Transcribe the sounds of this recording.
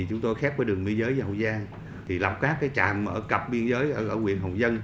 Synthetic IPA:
i˨˩t͡ɕʊ˨˦ŋ͡mt̪o˧jxɛ˦˥p̚vəː˨˦jɨ˨˩əŋɓi˧ənzəː˨˦jəː˨˧˦hə˨˩wzaː˧ŋ | t̪ʰi˨˩la̰˨˩wk͡p̚kaː˦˥kkaː˨˦jt͡ɕa̰ː˨˩mʔəː˧˩kə˨˩p̚ɓi˧ənzəː˨˦jʔəː˧˩ʔəː˧˩kwi˧˨ənɦə˨˩wŋ͡mzə˧n

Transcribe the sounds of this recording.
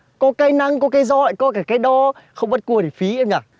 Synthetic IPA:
kɔ˨˦kaː˨˦jna˧ŋkɔ˨˦kaː˨˦jzɔ̰˧˨jkɔ˨˦kaː˧˩kaː˨˦jɗɔ˧xə˧wŋ͡mɓt̚ku˧əti˨˩fi˨˦e˧˦ŋ͡mɲaː˨˩

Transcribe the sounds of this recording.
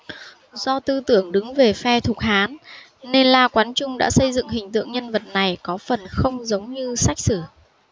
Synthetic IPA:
z̥ɔ˧t̪ɨ˧t̪ɨ˧˩əŋɗɨ˨˦ŋve˨˩fɛ˧t̪ʰʊ˨˩k̚haː˨˦nː | e˧nlaː˧kwaː˨˦nt͡ɕʊ˧ŋ͡mɗa̰ː˧˥sə˧jzɨ̰˧˨ŋɦï˨˩ŋ̟t̪ɨ̰˧˨əŋɲə˧nvə˨˩t̚na˨˩jkɔ˨˦fə˨˩nxə˧wŋ͡mzə˨˦wŋ͡mɲɨ˧sa˦˥jk̟̚sɨː˧˩

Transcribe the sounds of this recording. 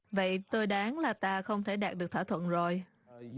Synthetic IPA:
və̰˧˨jt̪o˧jɗaː˨˦ŋlaː˨˩t̪aː˧xə˧wŋ͡mt̪ʰe˧˩ɗaː˨˩ɗɨ˨˩ək̚t̪ʰaː˧˩t̪ʰwə̰˧˨nzo˨˩j

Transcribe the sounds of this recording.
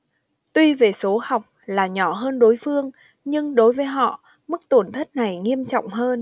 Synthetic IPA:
t̪wi˧ve˨˩so˨˦ha˨˩wk͡p̚laː˨˩ɲɔ˧˩ɦəː˧nɗo˨˦jfɨ˧əŋ | ɲɨ˧ŋɗo˨˦jvəː˨˦jɦɔ̰˧˨ | mɨ˦˥k̚t̪o˧˩nt̪ʰə˦˥t̚na˨˩jŋi˧əmt͡ɕɔ̰˧˨wŋ͡mɦəː˧n

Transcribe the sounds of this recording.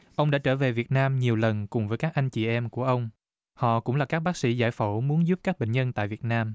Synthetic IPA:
ʔə˧wŋ͡mɗa̰ː˧˥t͡ɕəː˧˩ve˨˩vi˨˩ət̚naː˧mɲi˨˩əwlə˨˩nkʊ˨˩ŋ͡mvəː˨˦jkaː˦˥k̚ʔa˧jŋ̟t͡ɕi˧˨˩ʔɛ˧mku˧˩əʔə˧wŋ͡m | hɔ̰˧˨kʊ̰˧˥ŋ͡mlaː˨˩kaː˦˥k̚ɓaː˦˥k̚sḭ˧˥zaː˧˩jfo˧˩mu˨˦ənzu˦˥p̚kaː˦˥k̚ɓḛ˧˨ŋ̟ɲə˧nt̪a̰ː˧˨jvi˨˩ət̚naː˧m

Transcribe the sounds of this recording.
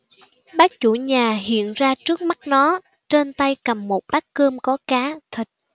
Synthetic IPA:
ɓaː˦˥k̚t͡ɕu˧˩ɲaː˨˩ɦḭ˧˨ənzaː˧t͡ɕɨ˦˥ək̚ma˦˥t̚nɔ˨˦ | t͡ɕe˧nt̪a˧jkə˨˩mːo˨˩t̚ɓaː˦˥kːəː˧mkɔ˨˦kaː˨˦t̪ʰï˨˩k̟̚

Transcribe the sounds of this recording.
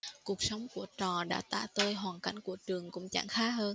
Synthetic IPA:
ku˨˩ək̚sə˨˦wŋ͡mku˧˩ət͡ɕɔ˨˩ɗa̰ː˧˥t̪a̰ː˧˩t̪əː˧jɦwaː˨˩nka̰˧˩jŋ̟ku˧˩ət͡ɕɨ˨˩əŋkʊ̰˧˥ŋ͡mt͡ɕa̰ː˧˩ŋxaː˨˦˥ɦəː˧n

